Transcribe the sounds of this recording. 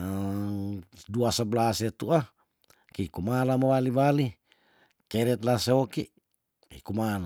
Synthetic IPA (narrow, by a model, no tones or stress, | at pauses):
duasəblaset̪uʔa | kikumalamawaliwali | kɛɾɛt̪̚laseokiʔ | kḭkumala